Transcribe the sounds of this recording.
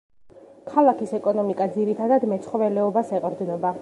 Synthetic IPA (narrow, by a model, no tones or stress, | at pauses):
kʰalˠakʰisɛkʼɔnɔmikʼad̪ziɾit̪ʰad̪ad̪mɛt̪sʰχɔvɛlɛɔbasɛqʼɾd̪nɔba